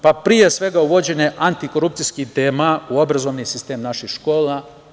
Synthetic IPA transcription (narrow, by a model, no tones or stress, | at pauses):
papɾije̞sʋe̞ɡauʋo̞d͡ʑe̞neʔant̪iko̞ɾupt̪sijskid̪emauo̞bɾazo̞ʋnisist̪e̞ːmnaʃixʃko̞ːla